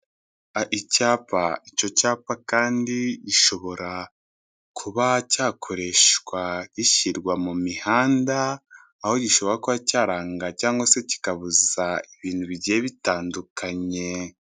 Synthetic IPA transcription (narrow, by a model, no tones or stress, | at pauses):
aʔicaːpa̰ico̞caːpakaːndiɟiʃo̞βo̞ɾa | kʰuβacaːkʰo̞ɾe̞ʃwaɟiʃiɾɡwamumihaːndaː | ho̞ɟiʃo̞βo̞ɾakuβacaːɾaːŋɡacaːŋɡwase̞ci̥kaβuzaiβiːnhuβiɟijeβitaːndukʰaɲe̞